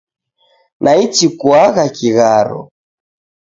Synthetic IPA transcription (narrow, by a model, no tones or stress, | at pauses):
nʔait͡ʃikwaɣakiɣaɾɔ̰